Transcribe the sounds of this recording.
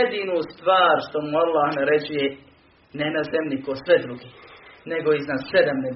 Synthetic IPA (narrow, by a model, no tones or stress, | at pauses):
ed̪iːnust̪ʋaːɾʃt̪omualˠːahnaɾed͡ʑuje | nenazemlʲikosʋed̪ɾuɡeːneɡo̞iznaːssed̪amne